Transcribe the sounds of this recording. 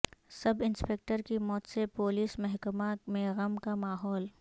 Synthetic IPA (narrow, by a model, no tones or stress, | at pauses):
sɐbɪ̃nspeːk̚ʈəɾkimɔːt̪sepoːliːsmɛɦkəmamẽɣɐmkamaːɦɔːl